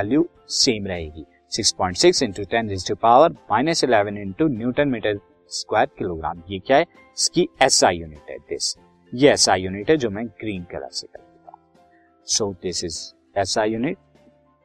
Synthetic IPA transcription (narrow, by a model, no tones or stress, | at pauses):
ɛlju | sẽːmɾɐɦeːɡiː | sɪkspɔ̃ːɪ̃ɳʈsɪksɪ̃ɳʈuʈɾɛ̃nzɪsʈupaʊʋəɾmaːɪnəsɪlɛʋə̃nɪ̃ɳʈunjuːʈə̃nmɪʈəɾ | skwaːɾkɪloːɡɾa̰ːmjekjaːɦɛ | ɪskiɛsajuːnɪʈɦɛ̰d̪ɪ̰s | jeɛːsajuːnɪʈɦɛd͡ʒoːmɛ̃ɡɾiːnkɐ̰lə̰ɾsekɐɾt̪ut̪ã̰ː | soːd̪ɪsɪz | ɛsajuːnɪʈ̚